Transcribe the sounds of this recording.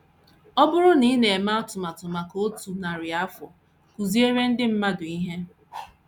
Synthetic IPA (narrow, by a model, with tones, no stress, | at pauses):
ɔ˦bʊ˦ɾʊ˦ni˦ne˨e˨ma˦ɔ˦tʊ˨ma˨tʊ˨ma˨ko˦tu˨na˨ɾɪ˨a˦fɔ̰˨ | ku˨zi˦e˦ɾe˦n̩˦dɪ˦m̩˦ma˦dʊ˨i˦ɦe˦